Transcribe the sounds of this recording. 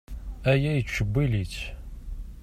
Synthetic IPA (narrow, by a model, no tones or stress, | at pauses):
æjæjət͡sːʃəbːilit͡s